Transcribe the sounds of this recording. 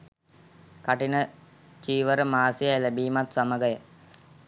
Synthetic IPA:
kaʈinə | t͡ʃiːʋəɾəmaːsijajlebiːmat̪saməɡəjə

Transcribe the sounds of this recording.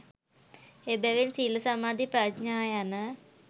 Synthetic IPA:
ebɛʋensiːləsamaːd̪ipɾad̪ɲaːjanə

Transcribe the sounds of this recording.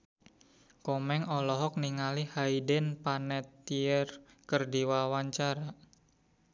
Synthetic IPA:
kɔmɛŋɔlɔɦɔk̚niŋalihaidənpanɛt̪ːiər | kərdiwawaɲt͡ʃaɾa

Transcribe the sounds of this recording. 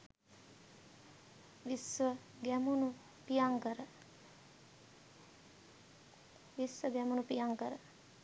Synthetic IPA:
ʋisʋə | ɡɛmunu | pijaŋkəɾə | ʋisʋəɡɛmunupijaŋkəɾə

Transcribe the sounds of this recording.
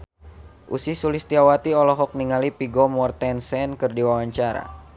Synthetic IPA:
ʔṵsisulist̪iawat̪iɔlɔɦɔk̚niŋalipiɡɔmɔrt̪ɛnsɛnkɨrdiwawaɲt͡ʃaɾa̰

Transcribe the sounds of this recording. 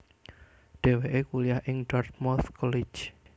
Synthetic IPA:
ɖ̥e̤weʔekulijahʔɪŋɖɔrt̪̚mɔθkʰɔli̥d͡ʒ

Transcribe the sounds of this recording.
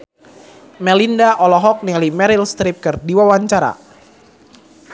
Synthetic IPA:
mɛlindaʔɔlɔɦɔk̚nialimɛɾilst̪ɾip̚kɨrdiwawaɲt͡ʃaɾa̰

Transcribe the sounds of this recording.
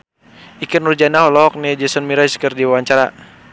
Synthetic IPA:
ikərnurd͡ʒanaɦɔlɔɦɔk̚nɛd͡ʒəsɔnmiɾaskərdiwawaɲt͡ʃaɾa

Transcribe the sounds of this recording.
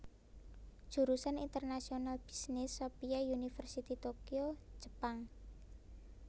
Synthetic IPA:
ʒ̥ṳɾusanint̪ərnasionalb̥i̥snɪsːopiaunifərsit̪it̪okio̥d͡ʒ̥ə̤̥paŋ

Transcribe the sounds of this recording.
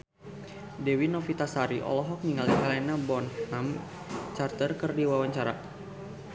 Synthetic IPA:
dɛwinɔfit̪asaɾiʔɔ̰lɔɦɔk̚ɲiŋalikalɛnabɔnham | t͡ʃart̪ərkɨrdiwawaɲt͡ʃaɾa̰

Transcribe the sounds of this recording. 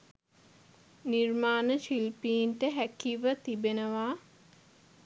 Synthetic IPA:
niɾmaːnəʃilpiːnʈəɦækiʋət̪ibenəʋaː

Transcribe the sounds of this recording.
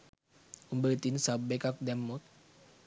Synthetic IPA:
umbəɾt̪insabekak̚dɛmːut̪̚

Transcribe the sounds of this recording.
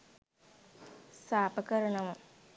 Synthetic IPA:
saːpɐkɐɾɐɳɐʋum

